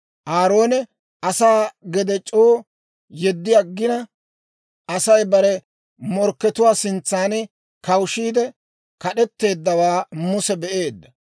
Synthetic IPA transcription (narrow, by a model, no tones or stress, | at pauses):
ʔaːɾo̞ːnɛ | ʔɐsaːɡɛd̪ɛt͡ʃʼoː | jɛd̪ːɪjaɡːɪnɐ | ʔɐsɐjbɐɾɛ | mɔɾkːɛt̪ʊwaːsɪnt͡sːaːnɛ | kɐwʃiːd̪ɛ | kɐɗɛt̪ːe̞ːd̪ːɐwaːmʊsɛbɛʔe̞ːd̪ːɐ